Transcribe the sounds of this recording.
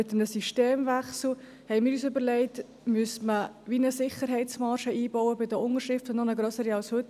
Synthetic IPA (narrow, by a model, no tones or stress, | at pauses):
mɪt̪əmnəsiʃteːmvæχsl̩ | hɛɪmɪːɾyːsʏbəɾlɛɪt | myəsmə | ʋinəsɪχəɾɦɛɪt͡smɑɾʃəiːbɔwəbɪdəʔʊnəɾʃɪftʊnnɔnəɡɾœsəɾiɑlshɵt